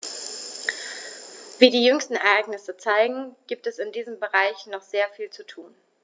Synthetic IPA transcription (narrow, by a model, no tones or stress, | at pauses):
viːdiːjʏŋstn̩ɛɐʔaɪɡnɪsət͡saɪɡŋ̩ɡ̥iːp̚tɛsɪndiːzəmbəʁaɪçnɔχz̥eːɐfiːlt͡sutʰuːn